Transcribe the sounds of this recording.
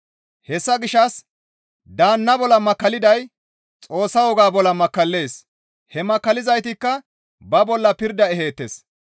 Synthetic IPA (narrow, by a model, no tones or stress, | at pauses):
hɛsːɐɡɪʃːɐs | d̪aːnːɐbɔlːɐmɐkːɐlɪd̪ɐj | t͡sʼo̞ːsːɐwɔɡaːbɔlːɐmɐkːɐlːe̞ːs | hɛmɐkːɐlɪzɐjt̪ɪkːɐ | bɐbɔlːɐpɪɾd̪ɐɛɦe̞ːt̪ːḛs